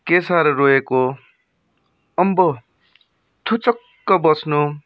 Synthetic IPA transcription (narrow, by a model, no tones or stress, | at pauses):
kesaɾroeko | ʌmbʌ | t̪ʰut͡sʌkːʌbʌsnu